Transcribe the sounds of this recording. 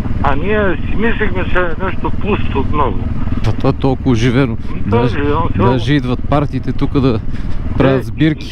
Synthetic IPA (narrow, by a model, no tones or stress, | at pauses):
aniɛsimislixmɛt͡ʃɛnɛʃt̪oplˠust̪ot̪mnɔɡo̰ɐt̪at̪olˠkʊʒivɛnod̪aʒsd̪ɐʒid̪vɐt̪̚paɾt̪iːt̪ɛt̪ukəd̪ɐpɾaɐd̪zbiɾki̥